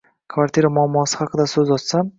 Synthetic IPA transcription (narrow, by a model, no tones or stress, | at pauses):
kʰvaɾt̪ʰʲiɾamʊamːɒsɪ̥hɑqʰɨd̪asɵzɒt͡ʃsam